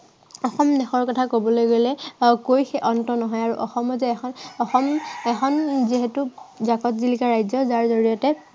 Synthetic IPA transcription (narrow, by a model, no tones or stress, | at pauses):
ɔxɔmdɛxɔɹkɔtʰakobɔlojɡelɛkojxeʔɔntɔnɔɦɔjaɹuʔɔxɔmɔzɛɛxʰɔnɔxɔmɛxɔnziɦetuzakɔtzilikaɹajzɔzaɹzɔɹijɔtɛ